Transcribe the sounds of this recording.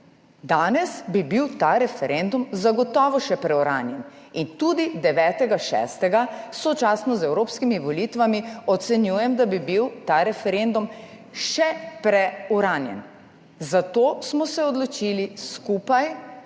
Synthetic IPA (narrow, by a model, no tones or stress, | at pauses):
d̪aːnɛsbibiwt̪aːɾɛfɛɾend̪umzaɡɔt̪ɔːʋɔʃɛpɾɛuɾaːnjɛnint̪ud̪id̪ɛʋɛːt̪ɛɡaʃɛ̰st̪ɛɡasɔt͡ʃasnɔzɛwɾoːpskimiʋɔlit̪ʋamiɔt̪sɛnjuːjɛmd̪abibiwt̪aːɾɛfɛɾend̪um | ʃɛpɾɛuɾaːnjɛ̰n | zat̪oːsmɔsɛɔd̪lɔt͡ʃiliskuːpaj